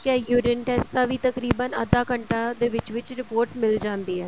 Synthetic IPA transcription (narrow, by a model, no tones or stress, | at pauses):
kɛːjuːɾɪnʈɛːst̪ãːʋiːt̪əkɾiːbənəd̪aːkəɳʈaːd̪eːʋɪt͡ʃʋɪt͡ʃɾɪpoːɾʈmɪld͡ʒãːnd̪iːɛː